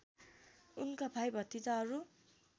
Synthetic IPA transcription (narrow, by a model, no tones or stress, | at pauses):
unkabʱajbʱʌt̪ːit̪aɦʌɾu